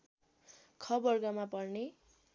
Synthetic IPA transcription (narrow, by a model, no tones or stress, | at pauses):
kʰʌbʌrɡʌmapʌrne